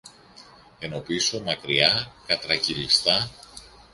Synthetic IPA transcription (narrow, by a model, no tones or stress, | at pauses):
e̞no̞piso̞mɐkɾiɐkɐt̪ɾɐcilist̪ɐ